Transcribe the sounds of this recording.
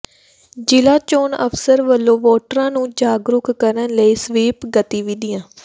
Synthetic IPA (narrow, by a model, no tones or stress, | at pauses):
d͡ʒɪlaːt͡ʃoːnə̰pʰsəɾʋəlːõːʋɔːʈəɾãːnũːd͡ʒaːɡɾʊkkəɾənləiːsʋiːpɡət̪iːʋid̪ijãː